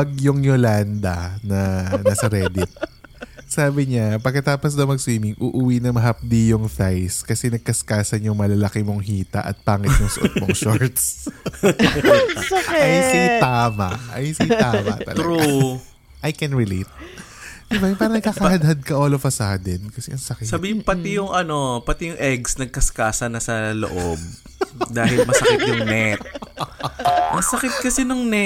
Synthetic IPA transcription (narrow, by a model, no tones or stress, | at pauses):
pɐɡ̚jʊŋjoland̪ɐnɐnasɐɾɛːd̪ɪt̪̚ | saːbɪɲapɐɡ̚kːɐt̪aːposd̪ɐwmɐɡ̚swiːmɪŋʔuʔʊwinɐmɐɦɐp̚d̪ijʊŋfajskɐsɛnɐɡ̚kɐskaːsɐnjʊŋmɐlɐlɐkɪmoŋɦiːt̪ɐ̰ʔɐ̰t̪̚paːŋɪt̪̚jʊŋsʊ̰ʔo̰t̪̚moŋʃoɹt̪s | ɐajsit̪aːmɐ̰ɐjsiaːmɐ̰t̪ɐ̰lɾu | ʔajkɛnɹɪlḭt̪̚ | d̪̥ɪbajʊpaːɾɐnɐɡkaːkɐhɐd̪̚hɐd̪̚kɐʔoːlofɐsaːd̪ɛnkɐsɛʔɐŋsɐkɪsɐbiːhɪmpɐt̪ɪjʊŋʔɐno̞pɐt̪ɪjʊŋʔɛɡsnɐɡ̚kɐskaːsɐnɐsɐlo̰ʔob̚ | d̪aːhɪlmɐsɐkɪt̪jʊŋnɛt̪̚ | mɐsɐkɪt̪̚kɐsɛnʊŋnɛ